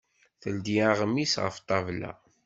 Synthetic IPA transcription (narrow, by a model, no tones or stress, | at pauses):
θəld̪iaʁmisʁə̰ft̪ˤːɑvlæ̰